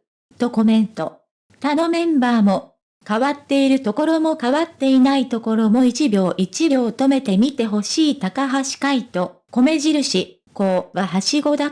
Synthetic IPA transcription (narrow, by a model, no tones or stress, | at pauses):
t̪o̞ko̞mẽ̞nt̪o̞ | t̪ano̞mẽ̞mbaːmo̞ | kaβat̪ːe̞iɾɯ̟t̪o̞ko̞ɾo̞mo̞kaβat̪ːe̞inait̪o̞ko̞ɾo̞mo̞it͡ɕibʲjo̞ːʔit͡ɕibʲo̞ːt̪o̞me̞t̪e̞mʲit̪e̞ɦo̞ɕiːt̪akaɦaɕi̥kait̪o̞ | ko̞me̞ʑiɾɯ̟ɕi | koːɡaɦaɕiɡo̞d̪a